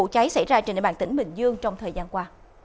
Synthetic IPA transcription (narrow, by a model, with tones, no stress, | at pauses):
ṵ˧˨t͡ɕa˨˦jsa˧˩jzaː˧t͡ɕɓaː˧˨t̪ï˧˩ŋɓï˨˩ŋ̟zɨ˧əŋt͡ɕɔ˧wŋ͡mt̪ʰəː˨˩jzaː˧nkwaː˧